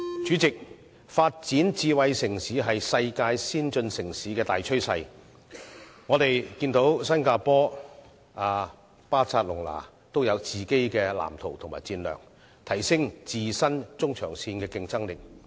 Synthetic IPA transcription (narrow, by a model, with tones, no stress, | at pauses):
t͡ʃy˨˥t͡sɪ˨k̚ | faː˧t̚t͡siː˨˥nt͡siː˨˧wɐ˨˧jsɪ˨˩ŋsiː˨˥ɦɐ˨jsɐ˧jkaː˧jsiː˥nt͡ʃɵ˧nsɪ˨˩ŋsiː˨˥kɛː˧t̪aː˨jt͡ʃʰɵ˥ɥsɐ˧j | ŋɔː˨˧t̪e˨jkiː˧nt̪o˨˥wsɐ˥nkaː˧pɔː˥ | aː˨˧ | paː˥t͡sʰaː˧t̚lʊ˨˩ŋla̰ː˨˩ | t̪o˥wjɐ˨˧wt͡siː˨ke˥jkɛː˧la̰ː˨˩mt̪ʰo˨˩wt̪ʰʊ˨˩ŋma̰ː˨˩jt͡siː˧nlœ̰ː˨˩ŋ | t̪ʰɐ˨˩jsɪ˥ŋt͡siː˨sɐ˥nt͡sʊ˥ŋt͡ʃʰœ̰ː˨˩ŋsiː˧nkɛː˧kɪ˧ŋt͡sɐ˥ŋlɪ˨k̚